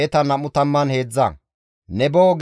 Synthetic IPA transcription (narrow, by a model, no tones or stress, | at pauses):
ɛt̪ɐnɐmʊt̪ɐmːɐnhe̞ːd͡zːɐ̰ | nɛboːɡ